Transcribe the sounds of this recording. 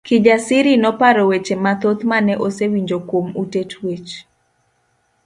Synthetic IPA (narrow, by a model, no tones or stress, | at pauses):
kɪd͡ʒasɪɾinɔpaɾɔwet͡ʃemat̪ot̪manɛʔosewiɲd͡ʒokwomutetwet͡ʃ